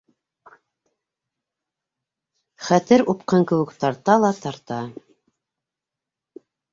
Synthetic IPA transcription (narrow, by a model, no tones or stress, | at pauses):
χæt̪ɘɾupqɤŋkɘ̆wɘ̆kt̪ɑɾt̪ɑlˠɑt̪ɑɾt̪ɑ